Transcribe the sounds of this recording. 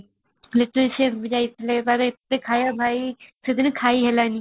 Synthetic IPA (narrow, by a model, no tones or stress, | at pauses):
lɪʈəlʃeːpbəd͡ʒaːit̪ʰleːpaɾɪt̪ːeːkʰaːjaːbʱaːiːsɪd̪ʱɪnkʰaːiːɦɛːlaːniː